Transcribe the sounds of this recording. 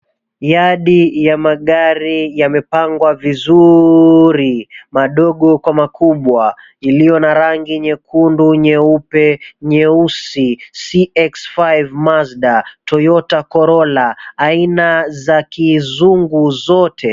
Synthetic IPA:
jaɗijamaɠaɾijamɛpaŋɡwavizu | ɾimaɗɔɠɔkwamakʰuɓwa | ilijɔnaɾaŋɡiɲɛkunduɲɛupɛɲɛusisiɛksfajvmazɗatɔjɔtakɔɾɔlaːinazakizuŋɡuzɔtʰɛ

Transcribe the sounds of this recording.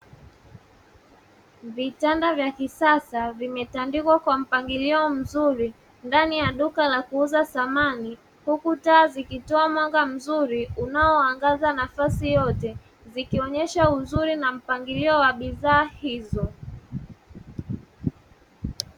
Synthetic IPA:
vitandavjakisasavimɛtandikwakwam̩paŋɡiliɔm̩zuɾi | ndanijaɗukalakuuzaθamani | hukutaːzikitɔamwaŋɡam̩zuɾiunaɔaŋɡazanafasijɔtɛ | zikiɔɲɛʃauzuɾinam̩paŋɡiliɔwaɓiðaːhizɔ

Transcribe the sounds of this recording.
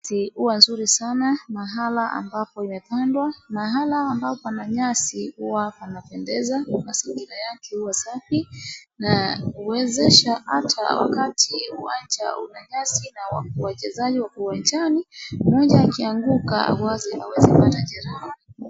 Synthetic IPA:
siuwanzuɾisanamaɦalaʔa̰mbapɔimɛpandwamaɦalaːmbapɔpanaɲasihuwapanapɛndɛzanasiŋɡiɾajakɛhuwasafinauwɛzɛʃahatʰa̰wa̰katʰiua̰nd͡ʒa̰ṵnaɲasinawa̰wat͡ʃɛzaʄiwakuwant͡ʃanimɔʄaːkiaŋɡuka̰a̰wazia̰wɛzipataʄɛɾani

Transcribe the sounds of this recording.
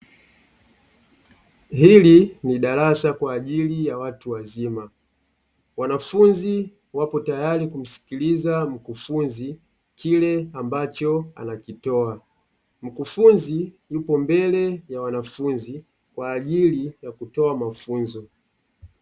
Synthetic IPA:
ɦiliniɗalasakwaːʄilijawatuwazima | wanafunzi | wapɔtajalikum̩si̥kilizam̩kufunzi | kʰilɛambat͡ʃɔa̰nakitɔa | m̩kufunzijupɔmbɛlɛjawanafunzi | kwaːʄilijakutɔamafunzɔ

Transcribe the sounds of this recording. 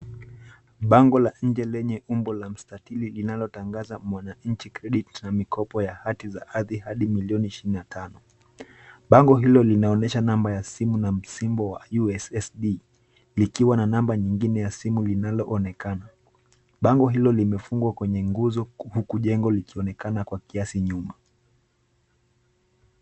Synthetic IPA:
ɓaŋɡɔlaɲ̩d͡ʒɛlɛɲɛumbɔlam̩statililinalɔtaŋɡazamwanaɲ̩t͡ʃikɾɛɗitnamikʰɔpɔjahatiza̰ʔaðihaɗimiliɔniiʃiɾininatʰanɔ | ɓaŋɡɔɦilɔlinaɔnɛʃanambajasimunam̩simbɔwa̰juɛsɛsɗi | likiwananambaɲiŋɡinɛjasimulinalɔʔɔnɛkana | ɓaŋɡɔɦilɔlimɛfuŋɡwakwɛɲɛŋɡuzɔhukuʄɛŋɡɔlikiɔnɛkanakwakiasiɲuma

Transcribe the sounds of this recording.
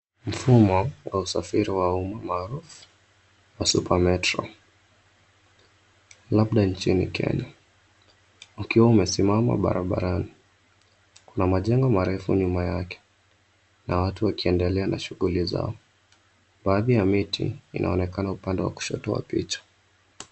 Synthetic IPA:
m̩fumɔwʔausafiɾiwaumamaːɾufu̥ | wasupamɛtɾɔ̰ | laɓɗant͡ʃinḭkʰɛ̰ɲa | ukiwaumɛsimama̰ɓa̰ɾaɓa̰ɾani | kunamaʄɛŋɡɔmaɾɛfṵɲumajakɛ̥ | nawatuwakiɛndɛlɛanaʃuɣuliza̰ɔ | ɓaːðijamitʰḭːnʔa̰ɔnɛkanaupandɛwa̰ku̥ʃɔ̰tɔa̰pḭt͡ʃḁ

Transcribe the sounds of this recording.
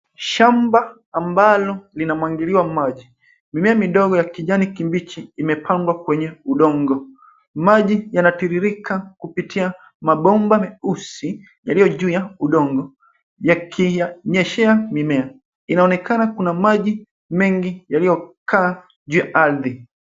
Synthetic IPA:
ʃambaː | mbalɔlinamwaŋɡiliwamaʄi | mimɛamiɗɔɡɔjakiʄanikimbit͡ʃiːmɛpʰaŋɡwakwɛɲɛuɗɔŋɡɔ | maʄijanatiɾiɾikʰakupitʰia | maɓɔmbamiusi | jalijɔʄuːjauɗɔŋɡɔ | jakʰiaɲɛʃɛamimɛa | inaɔnɛkʰanakunamaʄi | mɛŋɡijalijɔkaː | ʄuːjaʔaɾði

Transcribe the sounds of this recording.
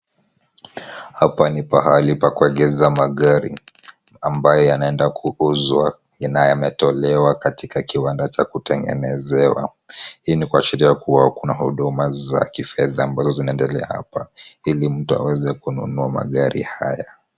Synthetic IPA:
hapanipaɦalipakuɛɠɛzamaɠaɾi | ambajɔjanaɛndakʰuuzwa | najamɛtɔlɛwakatikakiwandat͡ʃakutɛŋɡɛ̰nɛzɛwa̰ | inikuaʃiɾiakuwakunahuɗumaza̰kifɛðaːmbazɔzinaɛndɛlɛa̰ha̰pailim̩tua̰wɛzɛkunṵnuama̰ɠaɾḭhaja

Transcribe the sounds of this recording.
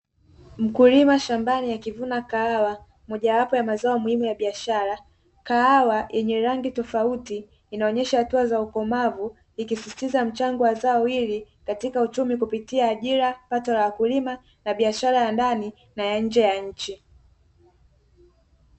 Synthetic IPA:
m̩kulimaʃambanijakivunakaawa | mɔʄawapɔjamazaɔmuhimujaɓiaʃaɾa | kaawajʔɛɲɛɾaŋɡitɔfautiː | naɔɲɛʃahatuazaukɔmavu | ikisisi̥tizam̩t͡ʃaŋɡɔwazaɔwiɾi | katikaut͡ʃumikupitiaːʄiɾapatɔlawakulima | naɓiaʃaɾajandani | najaɲ̩d͡ʒɛjaɲ̩t͡ʃi

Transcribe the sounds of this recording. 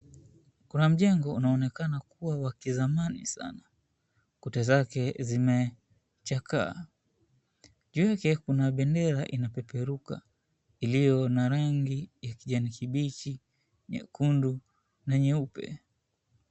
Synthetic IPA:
kunam̩ʄɛŋɡɔunaɔnɛkanakuwawakizamanḭsa̰na | kutazakɛzimɛ | t͡ʃakʰa̰ː | ʄujakɛkunaɓɛndɛɾaʔinapɛpɛɾuka̰ | ilijɔnaɾaŋɡijakiʄanikiɓit͡ʃi | ɲɛ̰kundu | naɲɛupɛ̰

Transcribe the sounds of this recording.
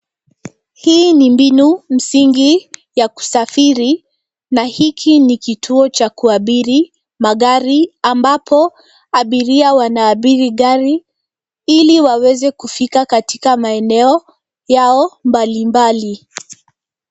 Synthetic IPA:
hiːnimbinum̩siŋɡijaku̥safiɾi | nahikʰinikitʰuɔt͡ʃakuaɓiɾi | maɠaɾiambapʰɔ | aɓiɾiawanaːɓiɾiɠaɾi | iliwawɛzɛkufikakatikamaɛnɛɔ | jaɔmbalimbali

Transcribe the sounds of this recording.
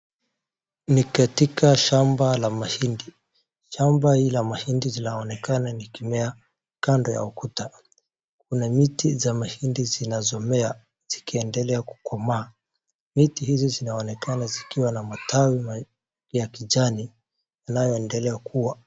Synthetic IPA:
nikatikaʃambalamahindi | ʃambahilamahindizinaɔnɛkananikimɛa | kandɔja̰ukuta | k̚unamitizamahindizinazɔmɛa | z̥ikiɛndɛlɛaku̥kɔmaː | mitihizizinaɔnɛkanazikiwanamatʰawima | jakiʄani | janajɔɛndɛlɛakʰuwa

